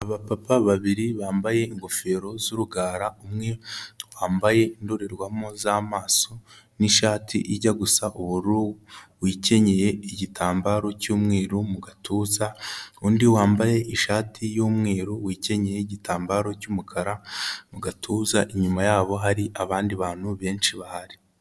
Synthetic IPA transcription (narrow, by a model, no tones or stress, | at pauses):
aβapapaβaβiɾiβaːmbaje̞iŋɡo̞fe̞ːɾo̞zuɾuɡaːɾaumŋe̞waːmbaje̞indo̞ɾe̞ɾwamo̞zaːmaːso̞ | niʃaːtʰḭʔḭɟaɡusaʔuβuɾuwiːce̞ɲe̞je̞iɟitʰaːmbaɾo̞cuːmŋeːɾumuɡatʰuːzauːndiwaːmbaje̞ʔiʃaːtʰijoːmŋeːɾuwiːce̞ɲeje̞iɟitʰaːmbaɾo̞cuːmukʰaɾamuɡatʰuːzaʔiɲumajaːβo̞ɦaɾiʔaβaːndiβaːn̥huβe̞ːnʃiβahaɾi